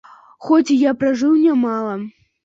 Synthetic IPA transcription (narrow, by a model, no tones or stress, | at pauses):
xɔt͡sʲijapɾaʐɨwnʲamalˠɐ